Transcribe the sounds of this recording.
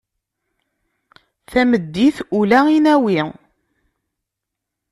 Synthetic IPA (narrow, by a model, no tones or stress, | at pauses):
θæməd̪ːiθulæinæwi